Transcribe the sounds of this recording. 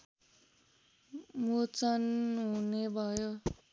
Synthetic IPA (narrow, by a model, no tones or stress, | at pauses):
mut͡sʌnɦunebʱʌjo